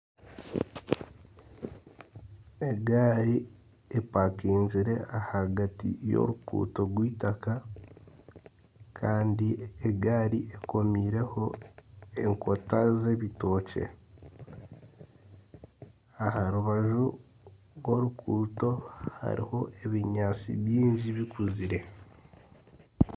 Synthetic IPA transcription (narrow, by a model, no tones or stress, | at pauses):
eɡaːɾi | epakiːɲziɾe̞ʔahaɡatḭjo̰ɾukṵːto̞ɡwiːtaka | kʰaːndieɡaːɾieko̞miːɾe̞ho̞ | e̞ŋko̞taze̞βito̞ːce̞̰ | ahaɾuβaʒu | ɡwo̞ɾukʰuːto̞ha̰ɾḭho̞ʔeβiɲaːt͡sḭβjiːɲɟiβikuziɾe̞